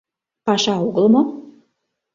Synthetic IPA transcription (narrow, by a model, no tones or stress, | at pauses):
pɑʃɑuɣlˠɤ̆mŏ